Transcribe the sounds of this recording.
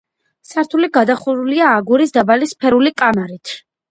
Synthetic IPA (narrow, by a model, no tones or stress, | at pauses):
saɾt̪ʰuliɡad̪aχuɾuliaːɡuɾisd̪abalispʰɛɾulikʼamaɾit̪ʰ